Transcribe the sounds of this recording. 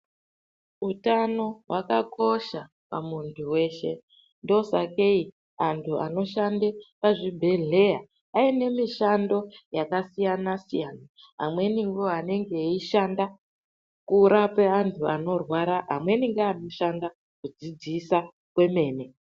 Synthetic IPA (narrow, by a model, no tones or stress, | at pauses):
utano̞wakako̞ʃa | pa̰muntʰuwe̞ʃe̞̰ | ndo̞sake̞i | antʰua̰no̞ʃandepaʐibʱe̞ɮe̞ja | aine̞miʃando̞jakasijanasijana | ɦa̰mwe̞niŋɡuane̞ŋɡe̞iʃanda | kuɾape̞antʰuano̞rwaɾaɦamwe̞niŋɡeano̞ʃanda | kud͡zid͡zisa | kwe̞me̞ːne̞